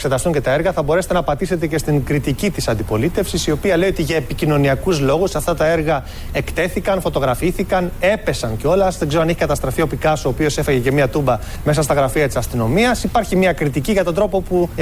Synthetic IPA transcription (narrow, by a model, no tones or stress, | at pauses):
kse̞t̪ɐst̪uɲce̞t̪ɐeɾɣɐθɐbo̞ɾeset̪enɐpɐt̪ise̞t̪e̞ce̞st̪iŋkɾit̪icit̪isɐnd̪ipo̞lit̪e̞fsisio̞piɐle̞io̞t̪iʝɐepicino̞niɐkuzlo̞ɣusɐft̪ɐt̪ɐe̞ɾɣɐ | e̞kt̪e̞θikɐnfo̞t̪oɣɾɐfiθikɐne̞pe̞sɐnceo̞lɐzðeŋɡzeoɐneçekɐt̪ɐst̪ɾɐfio̞pikɐso̞ːpio̞se̞fɐʝecemiɐt̪umbɐ | me̞sɐst̪ɐɣɾɐfiɐt̪isɐst̪ino̞miɐsipɐɾçimɐkɾit̪iciʝɐt̪ond̪ɾo̞po̞pu